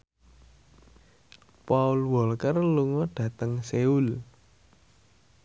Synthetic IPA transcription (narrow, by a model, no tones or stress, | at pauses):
paulwɔlkərluŋɔɖ̥ä̤t̪əŋseul